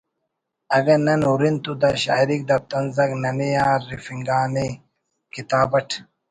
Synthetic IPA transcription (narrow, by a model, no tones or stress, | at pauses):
ɐɡɐnɐnuɾint̪ud̪ɐɕa̰ːiɾik̚d̪ɐt̪ɐnzɐknɐnijaːɾifiŋɡaːne | kit̪aːbɐʈʰ